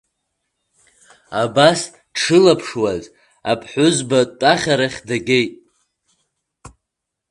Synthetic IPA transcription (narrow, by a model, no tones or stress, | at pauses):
abas | ʈ͡ʂʰɨlapʰʂwaz | a̰pʰħʷʊzbatʷʼaχʲaɾaχʲdaɡʲejtʼ